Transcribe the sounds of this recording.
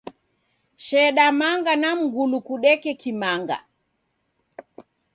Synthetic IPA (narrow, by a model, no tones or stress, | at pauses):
ʃɛɗamaŋɡanam̩ɡulukuɗɛkɛkimaŋɡa̰